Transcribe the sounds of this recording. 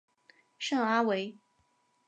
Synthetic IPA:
ʂɤ˥˩ŋa˥we˧˥ɪ

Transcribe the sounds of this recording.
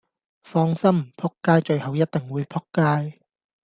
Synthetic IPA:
fɔː˥ŋsɐ˥mm̩˨˩pʰʊ˥kːaː˥jt͡ʃɵ˧ɥhɐ˨˧wjɐ˥t̚t̪ɪ˨ŋwuː˨˧jpʰʊ˥kːaː˥j

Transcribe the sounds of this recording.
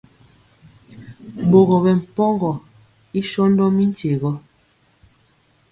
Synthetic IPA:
bo˨ɣɔ˨bɛ˨m̩˨pɔ˦ŋɡɔ˨ | i˦ʃɔ˦ndɔ˦mi˦n̩˦te˨ɣɔ˦

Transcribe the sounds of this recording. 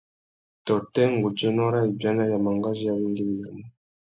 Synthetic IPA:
tɔ˨tɛ˦ŋ˨ɡu˨d͡ʒɛ˦nɔ˦ɾa˦i˨bja˦na˦ja˨ma˨ŋɡa˦ʒi˦a˦βi˦ŋɡi˦m˨a˨mu˦

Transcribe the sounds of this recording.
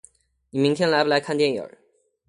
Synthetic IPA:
ni˨˩mi˧˥ŋt̪ʰjɛ˥˩nla˧˥ɪbə˨la˧ɪkʰa˥˧nt̪jɛ˥˩njə̰˨˩

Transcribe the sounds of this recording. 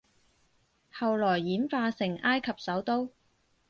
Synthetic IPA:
hɐ˨wlɔː˨˩jːiː˨˥nfaː˧sɪ˨˩ŋaː˥jkʰɐ˨p̚sɐ˨˥wt̪o˥w

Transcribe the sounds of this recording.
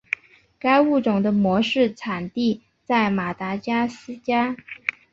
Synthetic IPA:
ka˥ɪu˥˩ʈ͡ʂʊ˨˩ŋd̪ə˦mwɔ˧˥ʂɻ̩˥˩ʈ͡ʂʰa˨˩nt̪i˥˧ | t͡sa˥˩ɪma˨˩t̪a˧˥t͡ɕja˥sɹ̩˥t͡ɕja˥

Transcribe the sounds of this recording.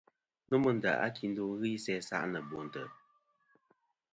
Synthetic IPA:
nu˦mɨ˦n̩˨da̰˨ʔa̰˦kʰi˨n˦do˦ŋ˦ɣi˦sɛ˦sa̰˦ʔnə˨bo˨n̩˨tə̰˨

